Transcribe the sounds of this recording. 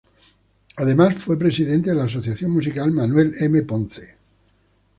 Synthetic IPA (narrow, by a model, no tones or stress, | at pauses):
aðe̞masfwe̞pɾe̞siðent̪eðelaːso̞θjaθjo̞mmusikalmanwe̞lemepõnθe